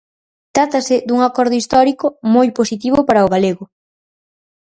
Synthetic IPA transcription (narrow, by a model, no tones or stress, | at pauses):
t̪ɾat̪asɪd̪uŋakɔɾð̞ʊist̪ɔɾikomojposit̪iβʊpaɾaoɣaleɣʊ